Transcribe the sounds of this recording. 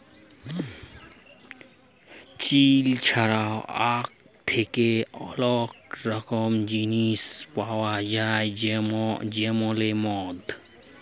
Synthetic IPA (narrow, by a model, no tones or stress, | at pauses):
t͡ʃilt͡ʃʰaɾawak̚ | t̪ʰekeɔ̰lɔkɾʌkɔmd͡ʒinispawad͡ʒaemd͡ʒemɔ̃lemɔd̪